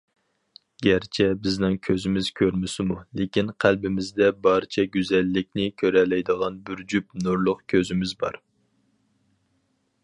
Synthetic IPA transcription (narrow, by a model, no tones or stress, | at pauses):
ɡʲæɾt͡ʃʰɛbɪznɪŋkʲʰøzɪmɪzkʲʰøɾmɪsɪmulekʲinqʰælbɪmɪzd̪ɛbɑɾt͡ʃʰɛɡʲyzɛlːɪk̚ʲnɪkʲʰøɾɛlɛjd̪əʁɑnbyɾd͡ʒyp̚nuɾlˠʊqkʲʰøzɪmɪzbɑ̰ɾ